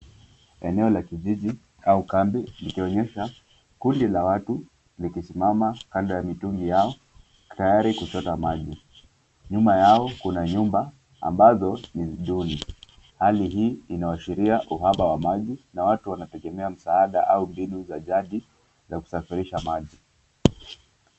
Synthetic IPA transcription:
ɛnɛɔlakiʄiʄi | aukambilikiɔɲɛʃa | kundilawatu | likisimamakandajamituŋɡijaɔ | tajaɾikut͡ʃɔtamaʄi | ɲumbajaɔkunaɲumba | a̰mbazɔniɗuni | haliɦiːinawaʃiɾiaʔuɦaɓawamaʄinawatuwanatɛɠɛmɛam̩saaɗaʔaumbinuzaʄaɗi | zaku̥safiɾiʃamaʄi

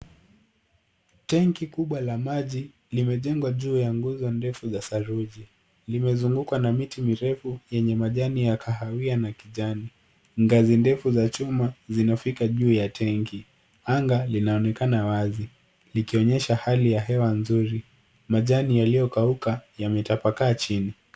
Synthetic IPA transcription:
tɛŋkikuɓwalamaʄi | limɛʄɛŋɡwaʄuːjaŋɡuzɔndɛfuzasaɾuʄi | limɛzuŋɡukwanamitimiɾɛfujɛɲɛmaʄanijakʰaɦawianakiʄani | ŋɡazindɛfuzat͡ʃumazinafikaʄuːjatʰɛŋki | aŋɡalinaɔnɛkanawazi | likiɔɲɛʃahalijaɦɛwanzuɾi | maʄanijalijɔkaukajamɛtapakaːt͡ʃini

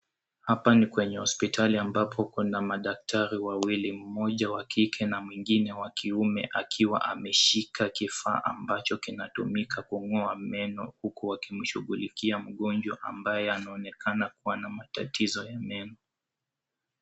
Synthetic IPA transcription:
hapanikwɛɲɛhɔspitʰaliambapʰɔkunamaɗak̚tʰaɾiwawilim̩mɔʄawakʰikʰɛnamwiŋɡinɛwakʰiumɛ̰ʔakʰiwa̰ʔamɛʃikʰakifa̰ːʔa̰mbat͡ʃɔkinatumikʰakuŋɔamɛnɔhukuwakim̩ʃuɠulikiam̩ɠɔnd͡ʒwaʔa̰mbajɛanaɔnɛkʰanakuwanamatatizɔjamɛnɔ

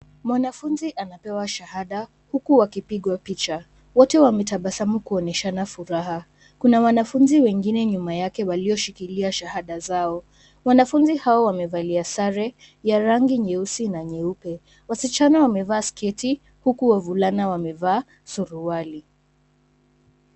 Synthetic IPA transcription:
mwanafunziʔanapɛwaʃahaɗa | hukuwakipiɠwapit͡ʃa | wɔtɛwamɛtaɓasamukuɔnɛʃanafuɾaha | kunawanafunziwɛŋɡinɛɲumajakɛwaliɔʃikiliaʃahaɗazaɔ | wanafunzihaɔwamɛvaliasaɾɛ | jaɾaŋɡiɲɛusinaɲɛupɛ | wasit͡ʃanawamɛvaːskɛti | hukuwavulanawamɛvaː | suɾuwali

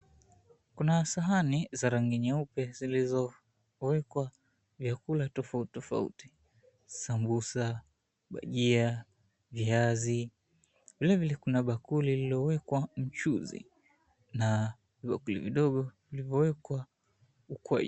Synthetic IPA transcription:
kunasaɦanizaɾaŋɡiɲaupɛzilizɔ | wɛkwa | vjakulatɔfauttɔfa̰ṵti̥ | sambusa | ɓa̰ʄia | viazi | vilɛvilɛkunaɓakulililɔwɛkwam̩t͡ʃuzḭ | na | viɓakulḭviɗɔɠɔvilivjɔwɛkwa | ukwɛ̰ʄ

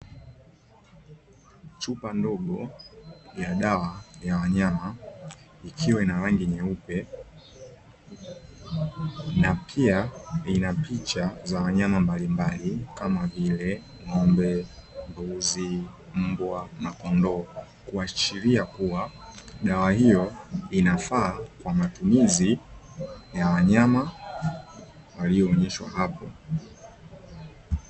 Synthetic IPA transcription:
t͡ʃupandɔɠɔ | jaɗawajawaɲama | ikʰiwɛinaɾaŋɡiɲɛupɛ | napʰiainapit͡ʃazawaɲamambalimbalikamavilɛ | ŋɔmbɛmbuzi | m̩bwamakɔndɔ | kuat͡ʃiɾiakuwa | ɗawahijɔinafaːkwamatumizi | jawaɲama | waliɔːɲɛʃwa̰hapɔ

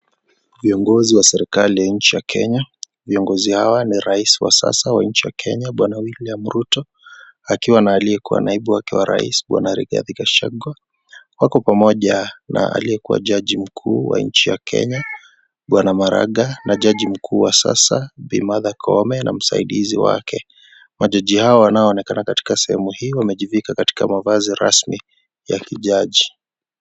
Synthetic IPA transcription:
viɔŋɡɔziwasɛɾikalijaɲ̩t͡ʃijakʰɛɲa | viɔŋɡɔzihawaniɾaisiwasa̰sawaɲ̩t͡ʃijakʰɛɲaɓwanawiliam̩ɾutɔ | akiwanaːliɛkuwa̰naiɓuwakɛwaɾa̰ḭsɓwa̰naɾiɡa̰ðikaʃaɡwa | wakɔpamɔʄana̰a̰lijɛkuwa̰ʄaʄim̩kʰuːwa̰ɲt͡ʃijakʰɛ̰ɲa | ɓwanamaɾa̰ɠanaʄaʄim̩kʰuːwasa̰sabimaðakʰɔmɛnʔam̩sa̰iɗiziwa̰kɛ | maʄaʄihaɔwanaɔːnɛkanakati̥kasɛhɛmuhiːwamɛʄivikakati̥kamavaziɾa̰smi | jakiʄaʄi

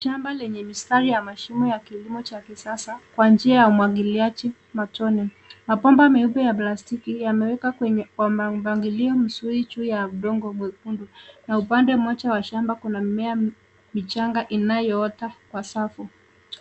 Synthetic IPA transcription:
ʃambalɛɲɛmistaɾijamaʃimɔjakilimɔt͡ʃakisasakwand͡ʒiajaumwaɠiliat͡ʃi | matɔnɛ | mapɔmbamɛuɓɛjaplastikijamɛwɛkakwɛɲɛkwamavaŋɡiliɔm̩suɾit͡ʃujauɗɔŋɡɔmwɛkundunaupandɛmɔt͡ʃawaʃambakunamɛa | mit͡ʃaŋɡaʔinajɔɔtakwasafu

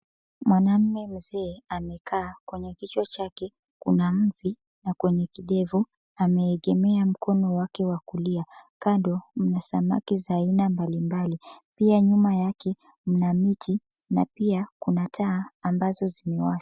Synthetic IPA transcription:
mwʔanam̩mɛm̩zɛːamɛkʰaːkwɛɲɛkit͡ʃwɔt͡ʃakɛ | kunam̩vi | nakwɛɲɛkiɗɛvu | amɛːɠɛmɛam̩kɔnɔwakɛwakuliakaɗɔm̩nasama̰kizaːinambalimbalipiaɲumajakɛ | m̩namitʰi | napiakunatʰaːmbazɔzimɛwaʃḁ

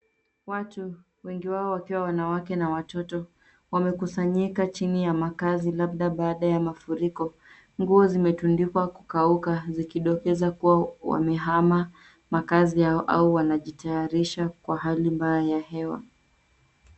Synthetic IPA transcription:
watu | wɛŋɡiwaɔwakiwawanawakɛnawatɔtɔ | wamɛkusaɲikat͡ʃinijamakazilab̚ðaɓaːɗajamafuɾikɔ | ŋɡuɔzimɛtundikwaku̥kaukazikiɗɔkɛzakuwawa̰mɛɦama | makazihaɔʔa̰uwanaʄitajaɾiʃakwaɦalimbajajahɛwa̰

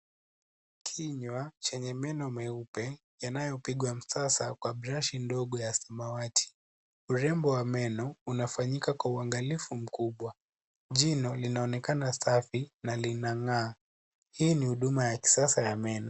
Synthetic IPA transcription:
kʰiɲwat͡ʃɛɲɛmɛnɔmɛupɛ | janajɔpiɠwam̩sasakwaɓɾaʃindɔɠɔjasimawatʰi̥ | uɾɛmbɔwamɛnɔunafaɲikakwauaŋɡalifum̩kuɓwa | ʄinɔlinaɔnɛkanasafinalinaŋaː | hiːnihuɗumajaki̥sasajamɛnɔ

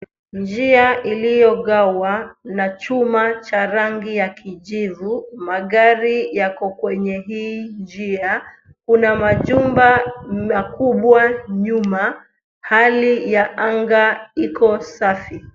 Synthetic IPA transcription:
nd͡ʒiaʔilijɔɠawanat͡ʃumat͡ʃaɾaŋɡijakiʄivumaɠaɾijakɔkwɛɲɛɦiːnd͡ʒia | kunamaʄumbaakuɓwaɲuma | halijaʔaŋɡaikɔsafi

